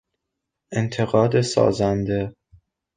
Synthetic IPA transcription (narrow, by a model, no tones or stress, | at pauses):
ent̪ʰe̞ɣɒːd̪esɒ̰ːzænd̪e